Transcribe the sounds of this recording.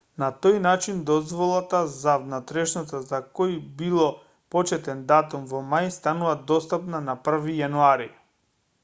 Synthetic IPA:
nat̪ojnat͡ʃind̪ɔzvɔlˠat̪azavnat̪ɾɛʃnat̪azakoibilˠɔ | pɔt͡ʃɛt̪ɛnd̪at̪umvɔmajst̪anuvad̪ɔst̪apnanapr̩vijanuaɾi

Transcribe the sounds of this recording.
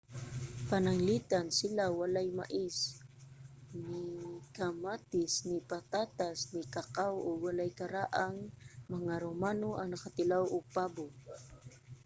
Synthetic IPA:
panaŋlit̪ansɪlawalajma̰ʔɪs | nɪkamat̪ɪsnɪpat̪at̪asnɪkakawowalajkaɾaʔaŋmɐŋaɾomaːnoʔaŋnakat̪ɪlawopabo

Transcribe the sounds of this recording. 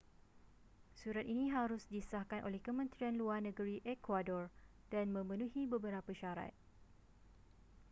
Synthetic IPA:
suɾat̪inĩɦaɾʊsdisahkanʔo̰lɛhkəmə̃nt̪ɾianluarnə̃ɡəɾiʔɛkwadɔr | d̥anmə̃mə̃nũhibəbəɾapəʃaɾa̰t̪̚

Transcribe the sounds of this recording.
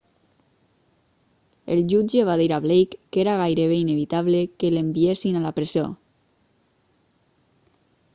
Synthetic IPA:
ḛlʒud͡ʒeβaðiɾaβlejkːeɾaɣajɾeβeineβit̪aβlekelembiesinalapɾezio̰

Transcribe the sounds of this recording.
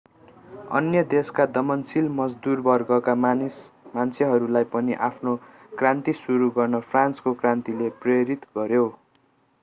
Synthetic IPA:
ʌ̰njʌd̪eskad̪ʌmʌnsilmʌd͡zd̪urbʌrɡʌkas | mant͡sʰeɦʌɾulajpʌniʔapʰno | krant̪isuɾuɡʌrnʌpʰranskokrant̪ilepreɾit̪ɡʌɾjo

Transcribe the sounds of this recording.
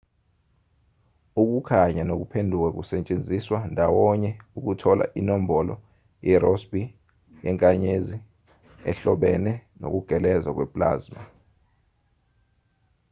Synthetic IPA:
uk̬ukʰaɲanok̬upʰendʱuk̬ɛk̬usɛt͡ʃʼend͡zʱiswandʱawɔɲɛuk̬utʰɔlʔa̰ʔinom̩bɔlɔ̰ | jɛrɔsbi | jɛŋkʼaɲezi | ɛ̰ɬɔɓɛnɛno̰k̬uɡ̥ʱɛlɛzak̬wɛpʼla̰ːzma

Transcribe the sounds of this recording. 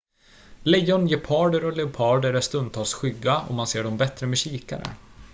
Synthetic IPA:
lɛjɔnjeːɾpʰɑːɖəɾɔlɛʊpʰɑːɖəɾɛst̪ɵnd̪̚t̪ʰɑːlsɧʏɡːaʔɔ̰manseːɖɔmbɛt̪ɾəmɛɕiːka̰ɾə̰

